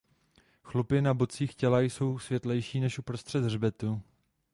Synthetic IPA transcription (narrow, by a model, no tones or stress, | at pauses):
xlupɪnabot͡siːxcɛlajso̞wsvjɛt̪lɛjʃiːnɛʃʔupɾo̞st̪r̝̥ɛd̪rbɛt̪u